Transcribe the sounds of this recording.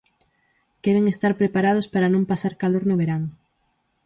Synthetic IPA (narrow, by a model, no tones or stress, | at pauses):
kɛɾeŋest̪aɾpɾepaɾað̞ospaɾanõmpasaɾkaloɾnoβeɾaŋ